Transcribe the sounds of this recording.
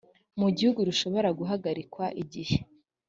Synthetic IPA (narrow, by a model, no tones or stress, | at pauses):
muɟihuɡuɾuʃo̞βo̞ɾaɡuɦaɡaɾikwaʔiɟihe